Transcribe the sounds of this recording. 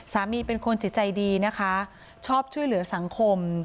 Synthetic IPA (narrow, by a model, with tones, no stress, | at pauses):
saː˩˦miː˧pe˧nkʰo˧nt͡ɕi˨˩t͡ɕa˧jdiː˧na˦˥kʰa˦˥ | t͡ɕʰɔː˥˩p̚t͡ɕʰu˥˩əjlɯ˨˩˦ɐ˦sa˨˩˦ŋkʰo˧m